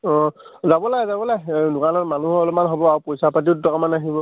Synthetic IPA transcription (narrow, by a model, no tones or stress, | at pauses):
ɔ̃ | zabɔlajzabɔlajdʊkanɔɹmanuɦɔɔlɔmanɦɔbɔaɹupɔjsapat̬iʊttʰɔkamanaɦibɔ